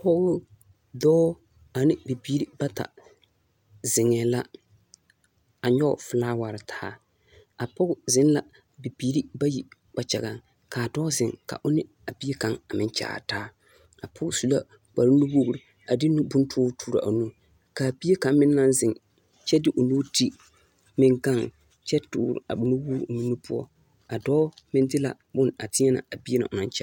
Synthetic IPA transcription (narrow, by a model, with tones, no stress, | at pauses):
pɔ˦ɣʊ˦ | dɔː˦ | a˨nɪ˦bi˨biː˦ɾi˦ba˦ta̰˨ | zɪ˨ŋɛ˨la˦ | a˨ɲɔ̰˦˨fɪ˨laː˦wa˨ɾɪ˨tʰa̰ː˦ | a˨pɔ˦ɡʊ˦zɪ˦n˦la˨ | bi˨biː˦ɾi˦ba˦ji˨k͡pa˨t͡ʃɛ̰˨ɣa˨ŋ | ka˨dɔː˦zɪ˨ŋka̰˨ʔʊ˦nɪ˦ | a˨bi˦e˦ka˨ŋa˨mɪ˦nt͡ʃa̰ː˨taː˦ | a˨pʰʊ˦ɡsu˨la̰˦ | k͡pa˨ɾɪ˦nu˦wo˦ɡɾi˨ | a˨dɪ˦nu˦bʊ˦n˦tʰʊː˦tʰuː˦ɾa̰˨ʔo˨nu˦ | kaː˨bi˦e˦ka˨m˦mɪ˦nː˦a˦nzɪ˨ŋ | t͡ʃɛ˦dɪ˦ʔʊ˨noː˦ti˦ | mɪ˨ŋɡa˦˨ŋ | t͡ʃɛ˦tʊ̰ː˨˦˨ɾ̰a̰˨bnu˦wuː˦nu˦nu˦pʊ˦ɔ̰˦ | a˨dɔː˦mɪ˦ndɪ˦la̰˨ | bʊ˦na˨tɪ˦ɲɛ˦na̰˨a˨bi˦e˦na̰˨ʔʊ˨na˦nt͡ʃa˦